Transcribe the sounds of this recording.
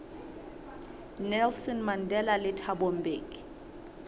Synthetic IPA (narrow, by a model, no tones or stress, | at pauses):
nɛlsɔnmandʱɛlalɪtʰabom̩beːk